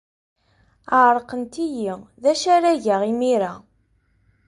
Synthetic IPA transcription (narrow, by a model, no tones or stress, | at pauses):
əʕɾˤqənt̪ijiðæʃæɾæʝaʁimiɾa